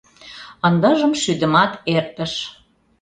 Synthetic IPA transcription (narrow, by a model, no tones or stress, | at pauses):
ənd̪ɤ̆ʒə̆mʃyd̪ə̆mɑt̪erpə̆ʃ